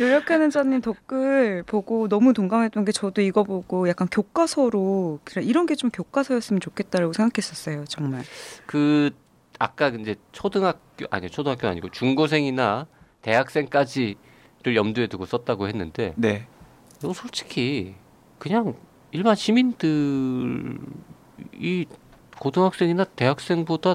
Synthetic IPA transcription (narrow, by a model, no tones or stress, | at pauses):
joɾʌkʰanɯnd͡ʑaɲːimtʌk͈ɯɭpoɡonʌmutoŋɡamɦet͈ʌnɡe̞t͡ɕʌdoiɡʌboɡojak͈ankjok͈asʰʌɾokɾaiɾʌnɡe̞t͡ɕomkjok͈asʰʌjʌs͈ɯmʌnt͡ɕokʰe̞t̚t͈aɾaɡosʰe̞ŋɡakʰes͈ʌs͈ʌjot͡ɕʌŋmaɭkɯ | ak̚k͈aind͡ʑe̞t͡ɕʰodɯŋɦakk͈joʔa̰ɲit͡ɕʰodɯŋɦak͈jona̰ɲiɡot͡ɕuŋɡos̬ʰe̞ŋinate̞ɦak̚s͈e̞ŋk͈ad͡ʑi | ɾɯɭjʌmdue̞tuɡos͈ʌt̚t͈aɡohe̞nːɯnde̞ne | nʌʌsʰoɭt͡ɕ͈ʰi̥kʰi | kɯɲaŋ | iɭbanɕʰimindɯ | i | kodɯŋɦak̚s͈e̞ŋinate̞ɦak̚s͈e̞ŋboda